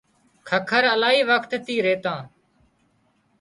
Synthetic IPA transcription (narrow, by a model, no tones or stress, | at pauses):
kʰəkʰəɾəlaːɦiːʋəkʰt̪t̪iːɾeːt̪ãː